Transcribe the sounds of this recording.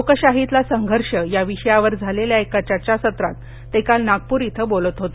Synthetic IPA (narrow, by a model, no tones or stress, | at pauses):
okəɕaɦit̪lasəŋɡʱəɾʂəjaʋiɕəjaʋəɾd͡zʱaleljaekat͡ɕat͡ɕasət̪ɾa̰t̪ː | ekalnaɡ̚puːɾit̪ʰəbolət̪ɦot̪o